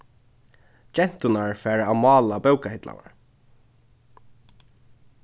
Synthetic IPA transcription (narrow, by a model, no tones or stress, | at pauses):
d͡ʒɛn̥t̪ʊnaɹfɛːɹamɑːlabɛwkahɪt̪la̰na̰ɹ